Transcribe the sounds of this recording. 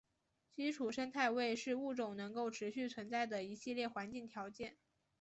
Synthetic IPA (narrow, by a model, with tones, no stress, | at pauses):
t͡ɕi˥ʈ͡ʂʰu˨˩ʂə˥ŋt̪ʰa˥˧ɪwe˥˧ɪʂɻ̩˥˧u˥˩ʈ͡ʂʊ˨˩ŋnɤ˧˥ŋko˥˩ʊʈ͡ʂʰɻ̩˧˥ɕy˥˩t͡sʰwə˧˥nt͡sa˥˩ɪd̪ə˩i˧˥ɕi˥˧ljɛ˥˩xwa˧˥nt͡ɕi˥˩ŋt̪ʰjɑ˧˥ʊt͡ɕjɛ˥˩n